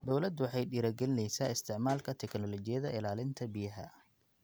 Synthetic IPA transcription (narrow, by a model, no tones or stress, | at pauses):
d̪ɔwlɐd̪wɑħɑjɗiːɾɐɡɛlɪnɛjsaːɪst̪ʰɪʕmaːlkʰɐt̪ʰɛknɔlɔt͡ʃɪjɐðɐɪlaːlɪnt̪ʰɐbɪjɐɦɐ̰